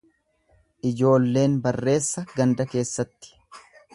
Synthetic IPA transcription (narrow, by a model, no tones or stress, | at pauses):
ʔɪd͡ʒo̞ːlːe̞ːnbɐrːe̞ːsːɐɡɐnd̪ɐke̞ːsːɐt̪ːɪ̥